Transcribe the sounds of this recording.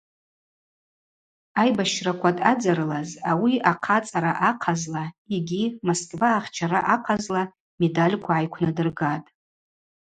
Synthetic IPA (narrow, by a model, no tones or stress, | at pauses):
ajbaʃrakʷʰatʼad͡zaɾɨlazawiaqʰat͡sʼaɾaʔaqʰazlaeɡʲimoskʼvaːχʲt͡ʃʰaɾaʔaqʰazla | me̞dalʲkʷʰaʕajkʷʰnadɨrɡatʼ